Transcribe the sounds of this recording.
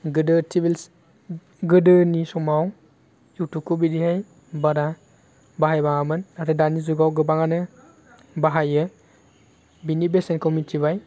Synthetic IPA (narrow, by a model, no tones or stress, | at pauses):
ɡɯdɯtʰibil | ɡɯdɯnisɔmaw | iwtukʰubidihaj | baɾa | baɦajbaŋamɯnaɾɯdanizuɡawɡɯbaŋanɯ | baɦajɯ | binibesenkʰɔmitʰiβaj